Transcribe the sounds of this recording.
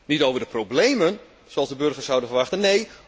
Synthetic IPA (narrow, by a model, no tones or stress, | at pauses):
nitowvərdəprowblejmən | soɑlˠdəbørɣərsawdənfərʋaxtənːej